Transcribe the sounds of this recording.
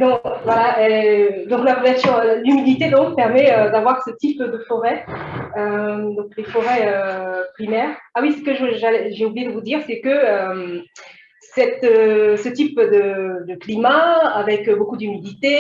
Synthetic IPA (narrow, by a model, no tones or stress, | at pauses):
d̪ɔ̃vwalaɛd̪ɔ̃klaʁəlasjɔ̃lymid̪it̪ed̪ɔ̃k̚pɛʁmɛød̪avwaʁsət̪ipd̪əfɔʁɛød̪ɔ̃klefɔʁɛøpχimɛːʁawisə̥kəʒəʒalɛʒeublijed̪əvud̪iːʁsɛkəøm | sɛt̪øsət̪ipd̪əd̪əklimaavɛkøbokud̪ymid̪it̪e